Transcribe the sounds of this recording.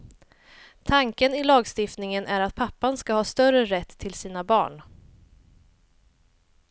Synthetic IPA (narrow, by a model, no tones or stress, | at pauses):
t̪ʰaŋkənɪlɑːɡst̪ɪft̪nɪŋənʔæɾat̪̚pʰapːanskahɑːst̪œɾəɾɛt̪ʰːɪlsiːnabɑ̰ːɳ